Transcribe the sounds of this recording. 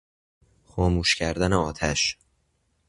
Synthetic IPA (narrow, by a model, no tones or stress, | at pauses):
xɒːmuːʃcʰæɾd̪æneɒːt̪ʰæʃ